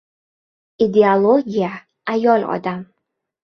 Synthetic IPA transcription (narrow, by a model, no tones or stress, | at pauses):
id̪e̞olˠoɡʲija | ajɒlɒ̰d̪am